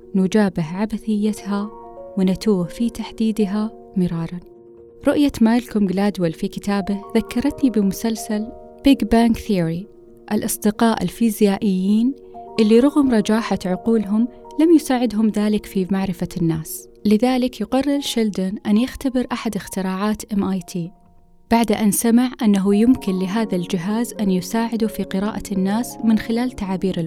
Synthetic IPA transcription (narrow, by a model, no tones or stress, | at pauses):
nʊd͡ʒaːbɪɦʕabaθɪjːat̪ɦawɪnat̪uːhfit̪aħd̪iːd̪ɦa | mɪɾˤɑːɾˤɑn | ɾˤʊʔjat̪maːlkʊmɡlaːd̪walfikɪt̪aːbɪðakːɑɾˤɑt̪nibɪmʊsalsal | b̥ɪɡbaːŋkθiːɾi | ʔalʔɑsˤd̪ɪqɑːʔɪ̰lfiːzjaːʔɪjːiːn | ʔɪlːiɾˤʊɣʊmɾˤɑd͡ʒaːħaʕʊquːlɦʊmlamjʊsaːʕɪd̪ɦʊmðaːlɪkfimaʕɾɪfanːaːslɪðaːlɪkjɪqɑrˤːɪɾʃɪld̪ʊnʔanjɪxt̪abɪɾʔaħad̪ɪxt̪ɪɾɑːʕaːt̪ʔɪmʔaːjt̪ʰiː | b̥aʕd̪ʔansamɪʕʔanːaɦujɪmkɪnlɪɦaːðald͡ʒɪɦaːzʔanjʊsaːʕɪd̪ufiqɪɾɑːʔanːaːsmɪnxɪlaːlt̪aʕaːbiːɾɪ